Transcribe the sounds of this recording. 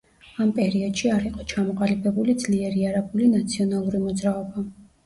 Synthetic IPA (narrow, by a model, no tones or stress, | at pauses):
ampʼɛɾiɔd̪ʃiaɾiqʼɔt͡ʃʰamɔqʼalibɛbulid̪z̥liɛɾiaɾabulinat̪sʰiɔnalˠuɾimɔd̪zɾaɔba